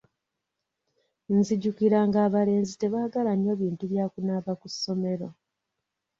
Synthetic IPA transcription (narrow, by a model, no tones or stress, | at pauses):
nziɟukiɾaːŋɡaːβale̞ːnzite̞βaːɡalaɲːo̞βiːntuβjaːkunaːβakusːo̞me̞ɾo̞